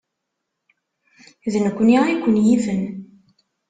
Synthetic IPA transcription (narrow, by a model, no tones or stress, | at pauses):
ðənəkʷːniikʷːənjifən